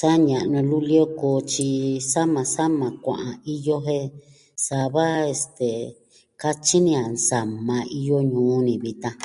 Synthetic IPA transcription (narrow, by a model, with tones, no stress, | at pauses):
sa˦ɲã˨ʔnũ˧lu˦li˦o˦ko˨˦t͡ʃi˧sa˦mã˨˧sa˦mã˨kʷã̰˨ʔã˧i˦jo˦ɦẽ˦ | sa˧βa˦e˧st̪e˨ | ka˦t͡ʃi˦nĩ˧a˨nsa˨mã˧i˧jo˦ɲũː˨˦nĩ˧βi˧t̪ã˧